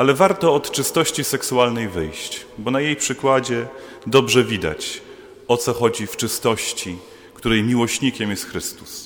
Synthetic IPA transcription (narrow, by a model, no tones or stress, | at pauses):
alɛvaɾt̪ɔːt̪t͡ʂɘst̪ɔɕt͡ɕisɛksualnɛjvɘjɕt͡ɕbɔnajejpʂɘkwad͡ʑɛ | d̪ɔbʐɛvʲid̪a̰t͡ɕ | ɔt̪sɔxɔd͡ʑift͡ʂɘst̪ɔɕt͡ɕi | kt̪uɾɛjmʲiwɔɕɲikʲɛmjɛst̪xɾɘst̪u̥s